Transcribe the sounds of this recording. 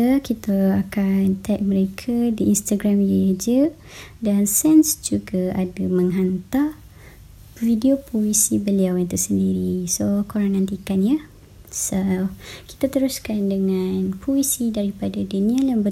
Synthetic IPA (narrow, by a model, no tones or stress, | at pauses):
əkit̪əakant̪ajʔ̚mə̃ɾekʰadiinst̪aɡɾamjəd͡ʒə | dansɛnsd͡ʒuɡaadamə̃ŋɦant̪al | vidiopoisibəliawjant̪usəndiɾisokoɾaŋnãnt̪ikanjə | saki̥t̪at̪əɾuskandəŋanpʰoisidaɾipadadunĩajaŋbə